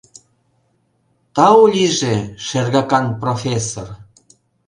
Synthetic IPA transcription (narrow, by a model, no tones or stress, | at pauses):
t̪ɑulʲiʒeʃerɣɑkɑnprofʲesor